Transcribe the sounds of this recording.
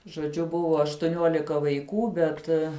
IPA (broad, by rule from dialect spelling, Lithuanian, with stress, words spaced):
ʒoːˈd͡ʒʲʊ ˈbʊʋoː ɐʃtʊˈnʲuɔlʲɪkɐ ʋɐɪˈkuː ˈbʲɛt